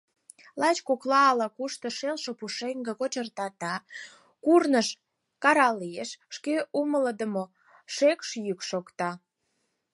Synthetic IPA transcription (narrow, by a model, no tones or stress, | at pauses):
lɑt͡ɕkoklɑːlɑkuʃt̪ə̆ʃelʃopuʃeŋɡəkot͡ɕərt̪ɑt̪ɑ | kurnəʃ | kɑɾɑlijeʃːkeumələd̪əmo | ʃekʃjykʃokt̪ɑ